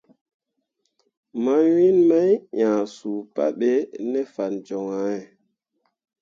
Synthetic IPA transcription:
ma˦nwi˦nma˦jjã˨su˨pa̰˦ɓe˦nɛ˦fa˨nd͡ʒɔ˨ŋa˨˦ɛ˨

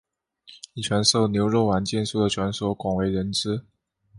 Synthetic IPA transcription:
i˨˩t͡ɕʰɥɛ˧˥nso˥˩ʊnjo˧˥ʊɻo˥˩ʊwa˧˥nt͡ɕjɛ˥˧nsu˥˩d̪ə˩t͡ɕʰɥɛ˧˥nswɔ˧˥kwɑ˨˩ŋwe˧˥ɪɻə˧˥nt͡sɻ̩˥

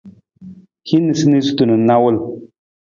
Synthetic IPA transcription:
hi˦ni˨sɨ˦ni˦zu˦tu˨nə˨˦na˦wʊ˦l

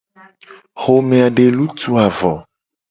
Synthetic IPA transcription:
xo˨mẽ˨a˨ɖe˨lu˦t̪u˨a˨vɔ˨

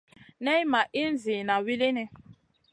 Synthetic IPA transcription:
ne˦i˦ma˨ʔi˦n̩˦zi˨na˨wi˦le˦ne˦

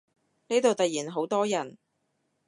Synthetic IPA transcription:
ne˨˥t̪o˨wt̪ɐ˨t̚jiː˨˩nɦo˨˥wt̪ɔː˥jɐ˨˩n

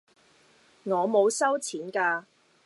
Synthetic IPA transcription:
ŋɔː˨˧mo˨˧wsɐ˥wt͡sʰiː˨˥nkaː˧

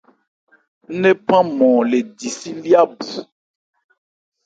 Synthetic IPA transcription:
nẽ˦pã˦mɔ̃˨le˨di˨si˦li˦a˦bu˨

